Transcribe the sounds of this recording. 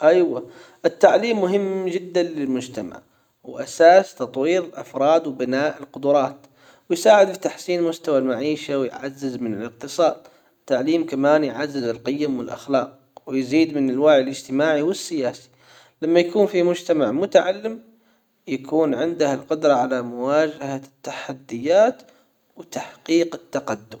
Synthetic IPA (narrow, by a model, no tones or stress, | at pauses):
ʔajwa | ʔɪt̪ːaʕliːmːʊɦɪmːd͡ʒɪd̪ːanlɪlmʊd͡ʒt̪ama̰ʕ | wʔa̰saːst̪ɑt̪ˤwiːɾɪlʔafɾˤɑːd̪wɪbɪnaːʔɪlqʊd̪ʊɾˤɑːt̪ | wɪjsaːʕɪd̪fit̪aħsiːnmʊst̪awalmaʕiːʃawjʕazːɪzmɪnɪlɪq̚t̪ɨsˤɑːd̪̚ | ɪt̪ːaʕliːmkamaːnjʕazːɪzɪlqɪjamwɪlʔa̰xlɑːq̚ | wjziːd̪mɪnɪlwaːʕɪlʔɪd͡ʒt̪ɪmaːʕiwɪsːɪjaːsi̥ | lamːajakuːnfimʊd͡ʒt̪amaʕmʊt̪aʕalːɪm | jakuːnʕɪnd̪ahalqʊd̪ɾˤɑʕalamʊwaːd͡ʒaɦat̪ːaħad̪ːɪjːaːt̪ | wt̪aħqiːqɪt̪ːaqad̪ːʊm